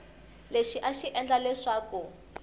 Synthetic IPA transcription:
leʃiʔaʃiʔɛnd͡ɮalɛʂaku

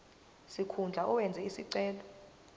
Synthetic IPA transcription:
sikʰund͡ɮʱaʔɔwɛnd͡zʱɛisiǀɛːlɔ

